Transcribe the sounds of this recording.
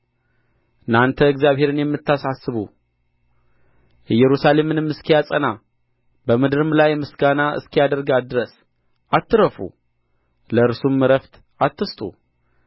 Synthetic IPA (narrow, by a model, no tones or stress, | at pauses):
ɨnːant̪ʰəɨɡzjaβhe̞ɾɨnjɛmːɨt̪ʰːasasːɨβṵ | ɨjɛɾusale̞mɨnɨmːɨskʰijat͡sʼəna | bəmɨd̪ɨɾɨmlajmɨsɡanaʔɨ̰skʰijad̪əɾɡad̪ɨɾəs | ʔat̪ʰːɨɾəfṵ | ləɨɾsumːɨɾəft̪ | at̪ːɨst̪ʼṵ